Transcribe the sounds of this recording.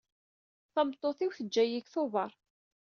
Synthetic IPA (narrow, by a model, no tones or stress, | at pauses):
θɑmt̪ˤːoθiwθəd͡ʒːæjiçθovɑɾˤ